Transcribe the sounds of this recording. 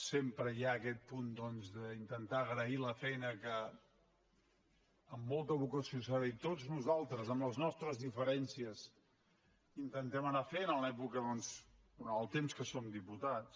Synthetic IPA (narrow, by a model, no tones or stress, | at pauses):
sempɾəjaəkɛt̪̚pund̪ɔnzðəint̪ənt̪aːɣɾəiləfɛjnəkə | mːolˠt̪əβ̞ukəsiosaɾəit̪od͡znuzalˠt̪ɾəzəmləznɔst̪ɾəzðifəɾɛnsiəs | int̪ənt̪ɛmənafɛjnəlɛpukəðɔns | uəlˠt̪emskəsomd̪iput̪at͡s